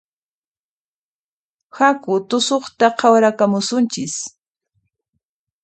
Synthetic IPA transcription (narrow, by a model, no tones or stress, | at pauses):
hakʊt̪ʊsoχt̪aqʰɑwɾakamʊsʊnt͡ʃɪs